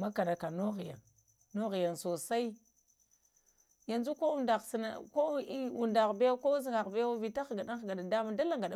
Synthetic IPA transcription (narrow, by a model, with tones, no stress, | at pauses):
ma˦ka˨na˨ka˨no˦ɣi˨ja̰˨nː | o˦ɣi˨ja˨nso˨sa˦i˦ | ja˨nd͡ʒu˦ko˦u˦nda˨sna˨ko˦u˨nda˨ɣbe˦ko˦zi˦ŋɡa˨ɣbe˦jwa˦vi˨ta˦xɡa˨ɗa˦xɡa˨ɗa˨da˦ma˦da˦la˦˨ŋɡa˨ɗ